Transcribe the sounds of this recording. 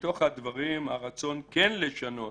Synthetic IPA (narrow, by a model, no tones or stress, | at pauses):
t̪o̞χhad̪vaʁimhaʁat͡so̞nkenleʃano̞